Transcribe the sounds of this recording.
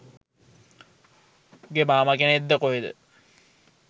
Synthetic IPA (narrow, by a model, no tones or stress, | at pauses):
ɡemaːmakened̪ːəkoɦed̪ə̰